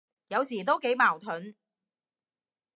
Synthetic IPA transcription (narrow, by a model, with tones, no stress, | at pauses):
jɐ˨˧wsiː˨˩t̪o˥wke˨˥jmaː˨˩wt̪ʰɵ˨˥n